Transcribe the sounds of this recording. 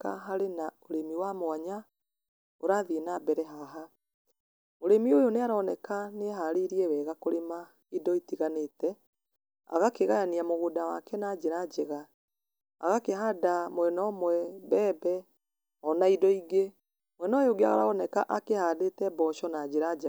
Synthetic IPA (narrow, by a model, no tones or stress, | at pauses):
ka̰ɦaɾenaoɾemiwamwaɲa | oɾaðinabɛɾɛɦaɦa | oɾemiojoneaɾɔːnɛkaneɦaɾeɾiɛwɛːɣakoɾema | idɔitiɣanetɛ | a̰ɣakeɣajaniamoɣodawakɛnaːd͡ʒeɾad͡ʒeɣa | a̰ɣakeɦadamwɛnɔːmwɛbɛːbɛ | ɔnaidɔiɡe | mwɛnɔːjoɡea̰ɣa̰ɾa̰ɔnɛkaʔakehaːdetɛbɔʃɔnad͡ʑeɾad͡ʒ